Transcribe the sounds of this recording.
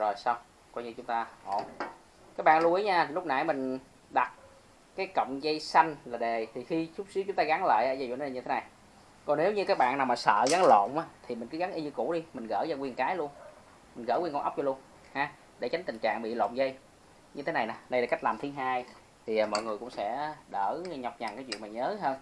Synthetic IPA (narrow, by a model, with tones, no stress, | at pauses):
zo˨˩jsa˧wŋ͡m | kɔ˧jɲɨ˧t͡ɕʊ˨˦ŋ͡mt̪aː˧ho˧˩ | kaː˦˥k̚ɓa̰ː˧˨nlu˧ʔi˨˦jɲaː˧˨˩lʊ˥k͡p̚na̰˧˩jmï˨˩ŋ̟ | ɗa˨˩t̚ | kaː˨˦jkə̰˧˨wŋ͡mzə˧jsa˧jŋ̟laː˨˩ɗe˨˩t̪ʰi˨˩xi˧t͡ɕʊ˦˥k͡p̚si˨˦t͡ɕʊ˨˦ŋ͡mt̪aː˧ɣa˨˦ŋla̰ː˧˨jʔaː˧˦jzṵ˧˨nː˨˧˨ɲɨ˧t̪ʰe˨˦na˨˩j | kɔ˨˩ne˨˦wɲɨ˧kaː˦˥k̚ɓa̰ː˧˨naː˨˩wmaː˨˩sə̰ː˧˨ɣa˨˦ŋlo̰˧˨ŋ͡mʔaː˨˦t̪ʰi˨˩mï˨˩ŋ̟kɨ˨˦ɣa˨˦ŋʔi˧ɲɨ˧kṵ˧˩˥ɗi˧mï˨˩ŋ̟ɣə̰ː˧˩za˧kwi˧˩ənkaː˨˦jlu˧ən | mi̟˨˩ɣə̰ː˧˩wkɔ˧ʔk͡p̚o˧lu˧ən | haː˨˦ | ɗe˧˩t͡ɕa˨˦ŋ̟t̪ï˨˩ŋ̟t͡ɕa̰ː˧˨ŋɓḭ˧˨lo̰˧˨ŋ͡mzə˧j | ɲɨ˧t̪ʰe˨˦na˨˩jnaː˨˩ɗə˧jlaː˧˩ka˦˥jk̚laː˨˩mt̪ʰi˨˦əɦaː˧j | t̪ʰiː˨˩˨mɔ̰˧˨jŋɨ˨˩əkʊ̰˧˥ŋ͡msɛ̰˧˥ɗəː˧˩ɲa˨˩wk͡p̚ɲa˨˩ŋkaː˨˦jt͡ɕwḭ˧˨ŋmː˨˩ɲəː˨˦ɦəː˧n